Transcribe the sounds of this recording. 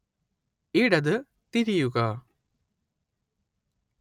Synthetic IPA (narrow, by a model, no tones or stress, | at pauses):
iɽɐðɨ | t̪iɾijuɣɐ